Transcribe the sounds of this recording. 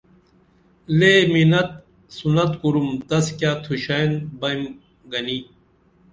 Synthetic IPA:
leminɐt̪̚ | sunɐt̪kuɾumt̪ɐskjaːt̪ʰuɕanbɐjm | ɡɐniː

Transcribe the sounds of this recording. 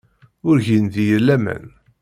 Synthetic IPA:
ʊɾʝind̪ijəlːæmæ̰n

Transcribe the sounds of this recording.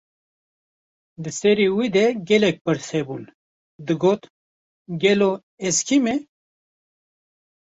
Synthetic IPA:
d̪ɨsɛɾiːwid̪ɛɡɛlɛk̚pɨɾsɛbun | d̪ɨɡoːt̪ | ɡɛlo | ɛskʰime

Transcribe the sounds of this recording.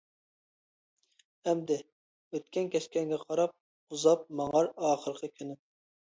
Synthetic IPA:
ɛmd̪ɪ | øt̪̚kʲɛnkʲɛʃkʲɛŋɡʲɛqʰɑɾɑp̚ | uzɑp̚mɑŋɑɾɑːχəɾəqʰəkʲʰyny

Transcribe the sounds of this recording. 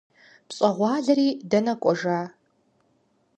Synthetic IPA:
pɕʼɐʁʷɑːɮɐɾiːdɐnɐkʷʼɔʐaː

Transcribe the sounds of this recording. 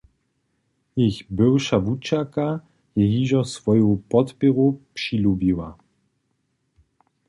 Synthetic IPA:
jixbɪwʃavut͡ʃaka | jɛɦiːʒɔsvɔjupɔt̪pɪʁupʂilubiwa̰

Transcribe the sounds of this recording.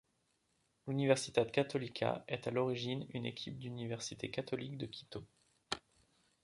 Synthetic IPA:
lynivɛʁsit̪ɛd̪kat̪ɔlikʲʰa̰ɛt̪alɔʁiʒinynḛkʲʰip̚d̪ynivɛʁsit̪ekat̪ɔlikd̪əkʲʰi̥t̪o

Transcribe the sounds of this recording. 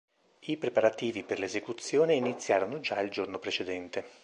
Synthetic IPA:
ipɾepaɾat̪iːviperlezekut̪sːjoːneinit̪sːjaːɾonod͡ʒaild͡ʒornopɾet͡ʃed̪ɛnt̪e

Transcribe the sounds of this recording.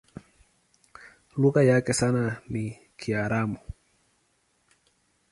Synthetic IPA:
luɣajakɛsanani | kʰiaɾamu

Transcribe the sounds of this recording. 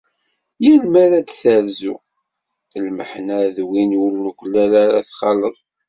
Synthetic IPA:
jilmæɾad̪θæɾzu | lmə̰ħnæðwinʊɾnukʷəlːælaɾaθχɑləðˤ

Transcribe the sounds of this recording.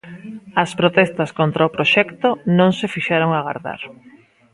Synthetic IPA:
ɐspɾot̪ɛst̪askont̪ɾaʊpɾoʃɛkt̪onõŋsefiʃeɾoŋaɣa̰ɾða̰ɾ

